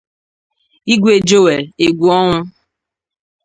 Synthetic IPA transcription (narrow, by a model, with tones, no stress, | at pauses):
i˦ɡʷe˨d͡ʒo˦we˨e˨ɡʷu˨ɔ˦ŋʊ˦